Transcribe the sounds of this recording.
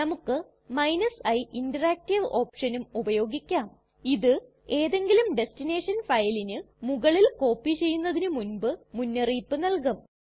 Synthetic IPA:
nɐmukːɨ | mɐjnɐsɐjʔindɐraːk̚tiʋo̞ːpʂɐnumubɐjo̞ːɡikʲːaːm | iðɨ | e̞ːðe̞ŋɡilumɖe̞stine̞ːʂɐnfɐjlinɨ | muɣɐɭilko̞ːpːit͡ɕe̞jːunːɐðinɨmunbɨmunːɐriːpːɨnɐlkɐm

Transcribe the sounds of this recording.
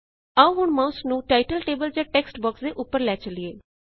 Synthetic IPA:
aũɦʊɳmãːʊsnũːʈaːɪʈəlʈeːbəld͡ʒãːʈɛːksʈbɔːksd̪eːʔʊpːəɾlɛːt͡ʃəlieː

